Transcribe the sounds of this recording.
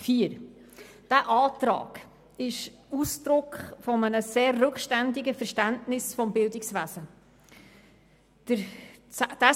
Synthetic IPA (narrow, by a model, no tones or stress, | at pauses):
fiəɾ | d̥æʔɑːtɾɑ̰ːɡ̥ | ɪʃusdɾʊkχfɔmənəseːrːɵkχʃtændɪɡəfəɾʃtæntnɪsfɔmbɪldɪksʋæzə | d̥əɾ | d̥æ